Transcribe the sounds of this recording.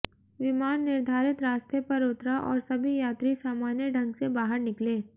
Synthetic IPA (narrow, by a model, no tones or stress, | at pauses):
ʋɪmaːnːɪɾd̪ʱaːɾɪt̪ɾaːst̪ʰepɐɾʊt̪ɾaʔɔ̰ːɾsɐbʱijaːt̪ɾisaːmaːnjəɖʱɐ̃ŋɡsebaːɦəɾnɪkleː